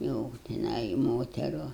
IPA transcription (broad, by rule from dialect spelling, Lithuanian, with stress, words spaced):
jɛʊ tʲɪˈnɐɪ ɪ ˈmoːtʲɛrʊ